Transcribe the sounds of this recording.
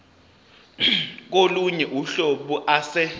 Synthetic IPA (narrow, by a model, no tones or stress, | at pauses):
k̬oluɲɛʔuɬoɓuʔasɛ